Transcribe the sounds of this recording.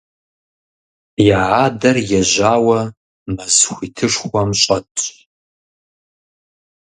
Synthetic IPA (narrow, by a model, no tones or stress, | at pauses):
jaːʕaːdɐrjɛʑaːwɐ | mɐzxʷiːtʰɨʂχʷɔmɕʼɐtʼ